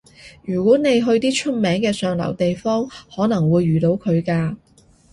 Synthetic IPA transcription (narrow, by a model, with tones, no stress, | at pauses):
jyː˨˩kwɔː˨˥ne˨˧jɦɵ˧ɥt̪iː˥t͡ʃʰɵ˥t̚mɛː˨˥ŋkɛː˧sœː˨ŋlɐ̰˨˩wt̪e˨jfɔː˥ŋhɔː˨˥nɐ˨˩ŋwuː˨˧jːyː˨˩t̪o˨˥wkʰɵ˨˧ɥkaː˧